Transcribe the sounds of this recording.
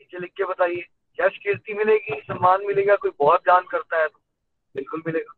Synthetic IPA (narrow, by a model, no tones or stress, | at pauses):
it͡ʃelɪkʰːebɐt̪aːieː | kjaːʃɐkɪɾt̪imɪleːɡisɐmːaːnmɪleːɡakoːibɔːt̪̚d͡ʒ̪aːnkɐɾt̪aɦɛt̪o | bɪlkʊlmɪleːɡaː